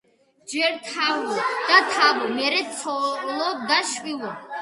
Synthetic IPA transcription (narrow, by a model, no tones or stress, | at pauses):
d͡ʒɛɾt̪ʰavɔd̪̥at̪ʰavɔmɛɾɛt͡sʰɔlɔd̪aʃwʼilɔ